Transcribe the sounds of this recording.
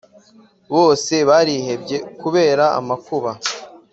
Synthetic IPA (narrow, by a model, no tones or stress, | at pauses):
βo̞ːse̞βaɾihe̞bɟe̞kuβe̞ːɾaa̰makuβa